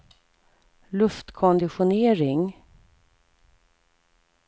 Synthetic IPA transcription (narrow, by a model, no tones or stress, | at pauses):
lɵft̪kʰɔnd̪ɪɧʊneːɾɪŋ